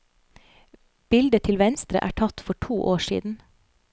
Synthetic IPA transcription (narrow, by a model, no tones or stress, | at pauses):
b̥ɪld̪ət̪ʰɪlʋɛnst̪ɾə̰ʔæ̰ːʈʰɑt̪fɔʈʰuːʔoːʃḭːd̪n̩